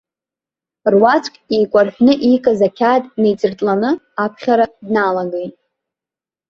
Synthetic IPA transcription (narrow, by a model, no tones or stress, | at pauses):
rwat͡sʷʰʼkʲʼijkʷʼarħᶣnɨʔijkʼazakʲʰaːtʼnejt͡sʼɨrt͡sʼlanɨ | apʰχʲaɾadnalaɡejtʼ